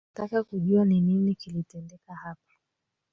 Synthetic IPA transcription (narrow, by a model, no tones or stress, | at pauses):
takakuʄuanininikilitɛndɛkahapḁ